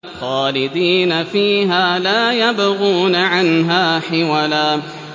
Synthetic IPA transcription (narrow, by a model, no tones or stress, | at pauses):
xaːlɪd̪iːnafiːɦaːlaːjabɣuːnaʕanɦaːħɪwalaː